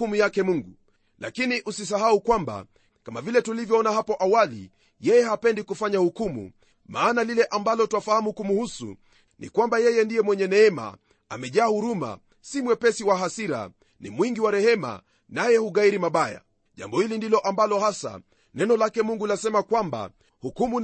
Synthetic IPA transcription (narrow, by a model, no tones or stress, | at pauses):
umujakɛmuŋɡu | lʔa̰kiniʔusisaɦaukwamba̰ | kamavilɛtulivjɔɔnaɦapɔʔawalḭ | jɛjɛhapɛndikufaɲahukumṵ | maːnalilɛʔambalɔtuwafahamukumuhusṵ | nḭkwambajɛjɛndijɛmwɛɲɛnɛɛma̰ | a̰mɛʄaːhuɾuma̰ | simwɛpɛsiwaɦasiɾa̰ | nḭmwiŋɡiwaɾɛhɛma̰ | najɛhuɣaiɾimaɓaja̰ | ʄa̰mbɔhilindilɔʔambalɔhasa̰ | nɛnɔlakɛmuŋɡulasɛmakwamba̰ | hukumu